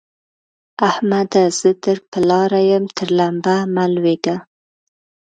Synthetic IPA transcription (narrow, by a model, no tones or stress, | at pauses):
ahmad̪az̥əd̪əɾpəlɑɾajəmt̪ʰəɾlambamalweɡa